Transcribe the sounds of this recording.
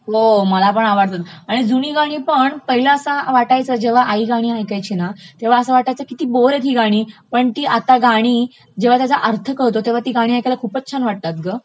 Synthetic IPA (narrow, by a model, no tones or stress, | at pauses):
ɦoməlapəɳaʋaɽt̪at̪aɽ̃id͡zuniːɡaɽ̃iːpəɳpəɦilaːsaʋaʈajt͡səd͡ʑeʋ̤aʔaiɡaɽ̃iːajkajt͡ɕiːnat̪eʋ̤aəsəʋaʈajt͡səkit̪iːboɾet̪ɦiːɡaɽ̃iːpəɳt̪iːʔat̪aɡaɽ̃iː | d͡ʑeʋat̪jat͡saʔəɾt̪ʰəkəɭt̪ot̪eʋ̤at̪iːɡaɽ̃iajkalakʰuːpətːɕʰanʋaʈ̚t̪at̪̚ɡə